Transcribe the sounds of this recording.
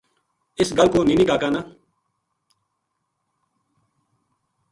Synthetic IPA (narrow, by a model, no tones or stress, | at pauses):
ɪsɡəlkoːnĩːniːkaːkaːnaː